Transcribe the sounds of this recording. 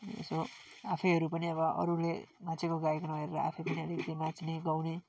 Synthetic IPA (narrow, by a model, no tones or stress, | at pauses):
so | apʰʌjɦʌɾupʌniʌβʌʔʌ̰ɾulemãt͡sʰekoɡaekʌnʌeɾɾʌa̰pʰʌpʌniʌɾitimãt͡sniɡawni